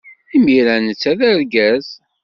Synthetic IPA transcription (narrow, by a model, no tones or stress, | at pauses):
imiɾænət͡sːæðəɾɡæz